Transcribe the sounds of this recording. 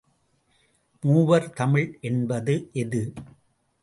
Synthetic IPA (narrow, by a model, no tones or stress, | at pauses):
muːʋɐɾt̪ɐmɪɭʔɛnbɐðɯʔɛðɯ